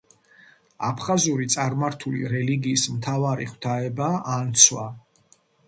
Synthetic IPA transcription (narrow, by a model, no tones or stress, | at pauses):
apʰχazuɾit̪sʼaɾmaɾt̪ʰulḭɾɛliɡiːsmt̪ʰavaɾiχwt̪ʰaɛbaːnt̪sʰwa